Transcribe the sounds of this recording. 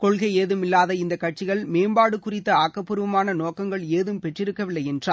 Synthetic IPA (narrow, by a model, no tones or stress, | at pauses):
kɔɭɣɐɪeːðɯmɪlːaːðɐɪnd̪ɐkːɐʈ̚t͡ʃɪɣɐɭmeːmbaːɽɯkːʊrɪt̪ːɐaːkːɐpːɯɾɯʋɐmaːnɐnoːkɐŋɡɐɭeːðɯmpɛʈrɪɾɯkːɐʋɪlːɐɪɛndraː